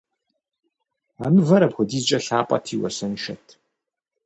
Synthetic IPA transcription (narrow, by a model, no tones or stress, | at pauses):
aːmɨvɐɾɐbxʷʊdiːzt͡ʃʼɐɬaːpʼɐ̰tʰiːwɐ̰sɐnʃɐtʰ